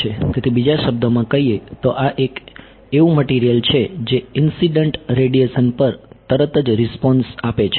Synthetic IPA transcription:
ek̪et̪ʰibid͡ʒaʃəb̚d̪əmãkəɦiet̪oʔaʔek | eʋũməʈiɾijəlt͡ʃʰed͡ʒeɪnsiɖəɳʈɾeɖieʃənpəɾt̪əɾət̪əd͡ʒɾɪspɔnsapet͡ʃʰ

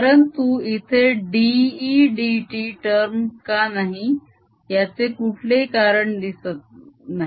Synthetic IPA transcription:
kaɾəɳt̪uːit̪ʰeɖiːɖiʈiʈəɾmkanaɦi | jat͡sekuʈʰlekaɾəɳd̪isət̪̚naɦi

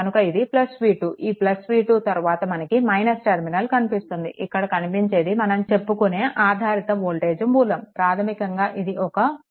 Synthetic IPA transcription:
ɐnukɐid̪iplɐsʋiːʈuːʔiːplɐsʋiːʈuːt̪ɐɾuʋaːt̪ɐmɐnɐkimɐjnɐsʈeɾminɐlkɐnipist̪und̪ḭʔikːɐɽɐkɐnipiɲt͡ʃe̞ːd̪imɐnɐmt͡ʃe̞pːukuneːʔaːd̪ʱaːɾit̪ɐmoːɭʈeːd͡ʒɐmbuːlɐmpɾaːt̪ʰɐmikɐŋɡaːʔid̪iʔɔkɐ

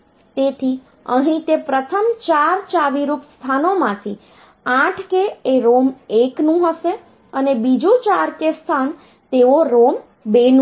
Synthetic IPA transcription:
t̪et̪ʰi | ə̰ɦĩt̪epɾət̪ʰəmt͡ʃaɾt͡ʃaʋiɾupst̪ʰanomãt̪ʰi | ãʈʰkeːɾomeknũɦəʃe | ənebid͡ʒũt͡ʃaɾkest̪ʰan | t̪eoɾom | ben

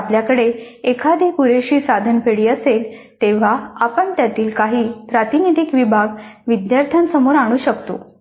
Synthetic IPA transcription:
apljakəɽe | ekʰad̪ikuɾeɕiːsad̪ʱənpeɽiːəsel | t̪eʋ̤aapəɳt̪jat̪iːlkaɦiːpɾat̪inid̪ikʋibʱaɡʋid̪jaɾt̪ʰjansəmoɾaɽ̃uːɕəkt̪o̰

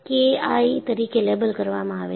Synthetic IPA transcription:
keait̪əɾikeleːbəlkəɾʋamãaʋḛ

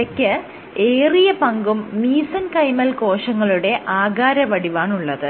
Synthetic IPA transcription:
ɐkʲːɨ | eːrijɐpɐŋɡumːiːsɐnkɐjmɐlko̞ːʂɐŋːɐɭuɽe̞ʔaːɡaːɾɐʋɐɽiʋaːɳuɭːɐðɨ

